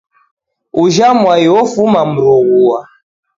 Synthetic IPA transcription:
uʒamwaiwɔfumam̩ɾuɣuwa

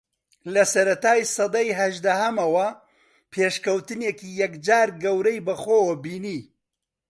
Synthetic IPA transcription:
lɐsɐɾɐt̪aːjsɨd̪ɐjɦɐʒd̪ɐhɐmɐwɐ | pʰeːʃkɐwt̪ɨneːkiːjɐkd͡ʒaːɾɡɐwɾɐjbɐxoːwɐbiːniː

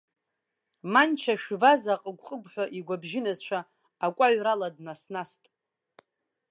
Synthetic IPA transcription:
mant͡ʃʰaʃᶣvazaqʼəɡʷqʼəɡʷʼħʷᶣaʔiɡʷabʒɪnat͡ɕʷʰa | akʷʼaɥraladnasnastʼ

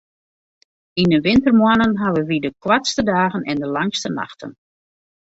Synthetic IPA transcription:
indəʋɪntərmwanənɦaʋəʋidəkʰwatstədaːɣənʔɛndəlaŋstəna̰xtə̰n

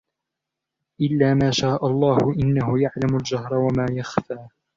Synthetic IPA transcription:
ʔɪlːaːmaːʃaːʔalˤːɑːhʊʔɪnːahʊjaʕlamald͡ʒahɾˤwamaːjaxfaː

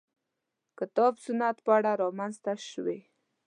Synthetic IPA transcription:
kɪt̪ɔbsʊnat̪pəaɽaɾɑmanzt̪aʃwḛ

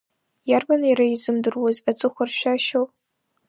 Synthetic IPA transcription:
jarbaniɾaizɨmdɨrwazat͡sʼɨχʷarʃʷᶣaʃowpʼ

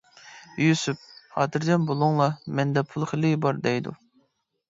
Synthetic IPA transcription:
jysup̚hɑ̰ːt̪ʰɨɾd̪ɛnbolˠʊŋlˠɑmɛnd̪ɛpʰulˠχəlɪbɑɾd̪ɛjd̪ṵ

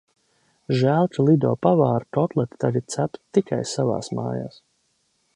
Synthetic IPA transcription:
ʒæːlˠt̪ulˠid̪ɔːpavaːɾt̪ɔt̪lˠɛt̪t̪aɾit̪sapt̪ːika̰jsava̰ːsma̰ːja̰ːs

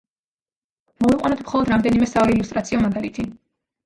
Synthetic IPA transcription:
mɔviqʼwa̰nɔt̪ʰmχɔlˠɔd̪ɾamd̪ɛnimɛsavalɛilust̪ʼɾat̪sʰiɔmaɡalit̪ʰi

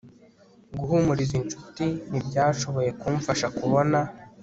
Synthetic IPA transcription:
ɡuhumuɾizint͡ʃu̥tinibɟaːʃo̞βo̞je̞kumfaʃakuβo̞na

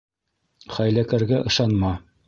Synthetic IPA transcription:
χæjlækæɾɡæʔɤ̆ʃɑnmɑ

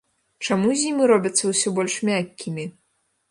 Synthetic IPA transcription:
t͡ʂamuzʲimɨɾɔbʲɐt̪sːɐwsʲɔbɔlʲʂmʲakʲːimʲi

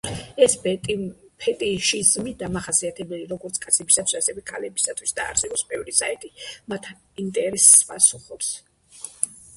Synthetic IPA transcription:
ɛs | pʰɛt̪ʼiʃizmid̪amaχasiat̪ʰɛbɛliɾɔɡɔɾt̪sʰkʼat̪sʰɛbisat̪ʰwisasɛvɛkʰalɛbisat̪ʰwisd̪̥a̰ːɾsɛbɔpsbɛvɾisait̪ʼimat̪ʰ | int̪ʼɛɾɛspʼasuχɔps

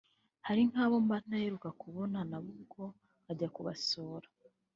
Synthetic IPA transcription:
haɾiŋ̥haːβo̞mban̥ajeɾukakuβo̞nanaβuko̞ | aɟakuβasoːɾḁ

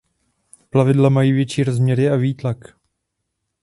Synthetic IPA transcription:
plavɪdlamajiːvjɛt͡ʃiːɾozmɲɛɾɪaviːt̪lak

